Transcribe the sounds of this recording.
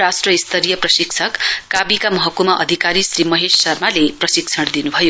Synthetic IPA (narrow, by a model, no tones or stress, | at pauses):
ɾasʈrʌist̪ʰʌɾijʌprʌsiksʰʌkkabikamʌɦʌkumaʔʌd̪ʱikaɾisrimʌɦesːʌrmaleprʌsikt͡sʰʌɽd̪inubʱʌjo